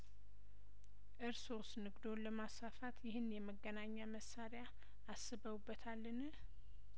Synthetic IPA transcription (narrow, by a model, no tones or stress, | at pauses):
ʔɨɾsosnɨɡd̪o̞nləmasafat̪jɪɦɨnjɛməɡənaɲːaməsːaɾja | asːɨβəwubːət̪ʰalːənɨ